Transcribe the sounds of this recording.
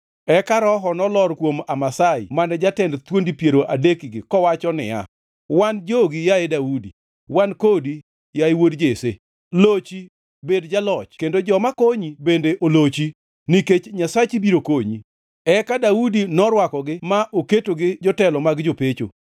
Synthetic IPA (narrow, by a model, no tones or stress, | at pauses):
ɛkaɾɔɦɔnɔlɔɾkwomamasaḭmanɛd͡ʒatɛndt̪wondipjeɾoʔadekɪɡɪkɔwat͡ʃɔnɪ̰ja̰ | wand͡ʒoɡɪjaedaudḭ | wankodi | jaiwodd͡ʒese | lot͡ʃi | bedd͡ʒalɔt͡ʃkendod͡ʒɔmakoɲibendeʔolot͡ʃi | niket͡ʃɲasat͡ʃibiɾokoɲi | ɛkadaudinɔɾwakɔɡɪmaʔoketoɡɪd͡ʒɔtɛlɔmaɡd͡ʒopet͡ʃo̰